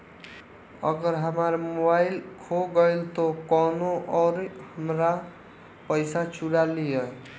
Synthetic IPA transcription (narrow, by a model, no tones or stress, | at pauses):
ʌ̰ɡʌɾɦamaɾmobajlkʰoɡʌjlt̪okʌnoʔʌɾhamɾa | pʌjsat͡suɽaliʌ